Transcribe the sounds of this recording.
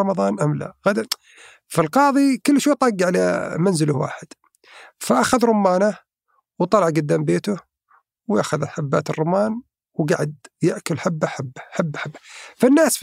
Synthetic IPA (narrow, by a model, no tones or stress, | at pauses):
ɑmɑðˤɑːnʔamla̰ɣad̪a | filqɑːðˤikʊlːʃweːt̪ˤɑɡːaʕlamanzɪlʊhwa̰ːħɪd̪̥ | faʔaxaðɾˤʊmːaːna | wt̪ˤɑlɑʕɡad̪ːaːmbeːt̪ʊh | wja̰xaðalħabːaːt̪ɨrˤːʊmaːn | wɡaʕad̪jaʔkʊlħabːaħabːḁħabːaħabːḁfɪnːaːs